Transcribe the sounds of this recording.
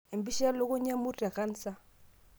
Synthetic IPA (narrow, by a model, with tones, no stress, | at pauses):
e˨mbi˦ʃa˦lo˦ku˦ɲa˦mu˦ta˨ka˦n̩˦sa˦